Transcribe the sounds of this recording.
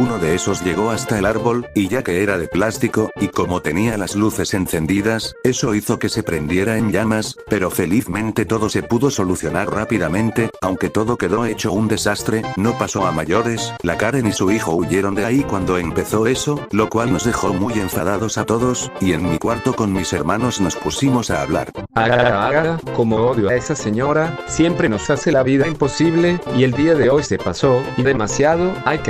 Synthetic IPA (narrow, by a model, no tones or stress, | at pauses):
uno̞ðe̞eso̞zʎe̞ɣ̞o̞ast̪aelaɾβo̞liʝake̞e̞ɾaðe̞plast̪iko̞iko̞mo̞t̪e̞nialazluθe̞se̞nθe̞nd̪iðase̞so̞iθo̞ke̞se̞pɾe̞nd̪je̞ɾae̞nʎamaspe̞ɾo̞fe̞liθmẽ̞nt̪e̞t̪o̞ðo̞se̞puðo̞so̞luθjonaɾrapiðamẽ̞nt̪e̞awŋke̞t̪o̞ðo̞ke̞ðo̞e̞t͡ʃo̞und̪e̞sast̪ɾe̞no̞paso̞amaʝo̞ɾe̞slakaɾenisuixo̞uʝe̞ɾo̞nd̪eaikwand̪o̞empe̞θo̞e̞so̞lo̞kwalno̞zðe̞xo̞muje̞ɱfað̞aðo̞sat̪o̞ðo̞sie̞nmikwaɾt̪o̞ko̞nmise̞ɾmano̞zno̞spusimo̞saːβla̰ɾaɣaaβaɣako̞mooðjoaesase̞ɲoɾasje̞mpɾeno̞sase̞laβiðaimpo̞siβle̞ie̞ld̪iaðeo̞jse̞paso̞iðe̞masjað̞oajk